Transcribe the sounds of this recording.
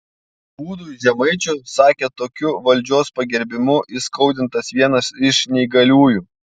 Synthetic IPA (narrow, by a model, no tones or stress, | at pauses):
b̥uːd̪uːzʲɛmɐɪt͡ʃʲʊsɑːkʲeːt̪oːkʲʊʋɐlʲd͡ʒʲoːspɐɡʲɛɾʲbʲɪmʊʔɪskɐʊd̪ʲɪnt̪ɐsʋʲiɛnɐsɪʃnʲɛɪɡɐlʲuːjuː